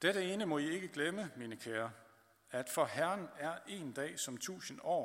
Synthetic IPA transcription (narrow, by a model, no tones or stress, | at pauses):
d̥eɾ̥əe̝ːnəmɒ̽ie̝ɡ̥əɡ̥leməminəkʰæːɐ | æd̥fɒ̽hæɐnæɐʔe̝ːnd̥ɛ̰ːsɒ̽mt͡sʰṵːsən̩ɒ̰ː